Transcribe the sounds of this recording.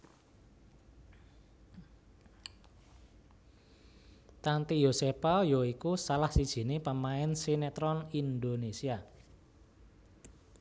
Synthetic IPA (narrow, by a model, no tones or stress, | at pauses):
t̪ant̪ijosepajoikusalahsid̥ʒ̥i̤nepəmaɛnsinet̪ɾɔnind̪onesia